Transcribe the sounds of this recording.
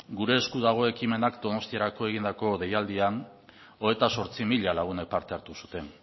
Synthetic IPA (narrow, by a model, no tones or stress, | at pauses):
ɡuɾe̞ːskuðaɣ̞o̞e̞kime̞nakd̪o̞no̞st̪iaɾako̞e̞ɣ̞ind̪ako̞ðe̞jald̪ian | o̞et̪aso̞ɾt͡simiʎalaɣ̞une̞k̚paɾt̪e̞aɾt̪usu̥t̪e̞n